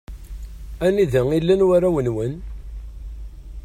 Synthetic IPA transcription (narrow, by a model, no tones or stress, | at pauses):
æniðəŋilːænwaɾæwənwən